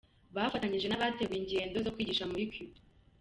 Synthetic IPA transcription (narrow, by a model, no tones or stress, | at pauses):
βafataɲiʒe̞naβateɡwiɲɟe̞ːndo̞zokwiːɟiːʃamujukjub